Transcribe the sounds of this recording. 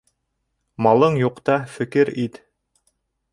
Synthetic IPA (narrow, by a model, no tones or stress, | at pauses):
mɑlˠɤɴjuqt̪ɑfɘ̆kɘɾit̪